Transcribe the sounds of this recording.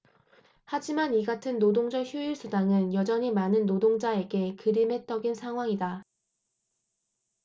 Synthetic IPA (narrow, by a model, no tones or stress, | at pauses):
had͡ʑimaniɡatʰɯnːodoŋd͡ʑʌçjuiɭs͈ʰudaŋɯnjʌd͡ʑʌɲimanɯnːodoŋd͡ʑae̞ɡe̞kɯɾimɦe̞t͈ʌɡinsʰaŋɦwaŋida